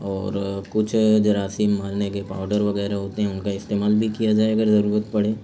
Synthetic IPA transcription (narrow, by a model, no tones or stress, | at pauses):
ɔːɾkʊt͡ʃʰd͡ʒɐɾaːsiːmmaːlnekepa̰ːʊɖəɾʋɐɣɛːɾaɦoːt̪eɦɛ̃ʊnkaɪst̪eːmaːlbʱikijad͡ʒaːeɐɡəɾzɐɾuːɾət̪pɐɽeː